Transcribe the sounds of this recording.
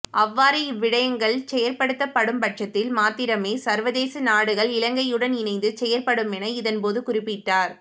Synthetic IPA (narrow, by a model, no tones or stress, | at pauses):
ʔɐʋːaːɾɐʋːɪɽɐjɐŋɡɐɭt͡ʃɛjɐɾpɐɽɯt̪ːɐpːɐɽɯmpɐʈt͡ʃɐt̪ːɪlmaːt̪ːɪɾɐmeːsɐɾʋɐðeːsɐnaːɽɯɣɐɭɪlɐŋɡɐɪjɯɽɐnɪnɐɪnd̪ɯt͡ʃɛjɐɾpɐɽɯmɛnɐɪðɐnpoːðɯkʊrɪpːɪʈːaːɾ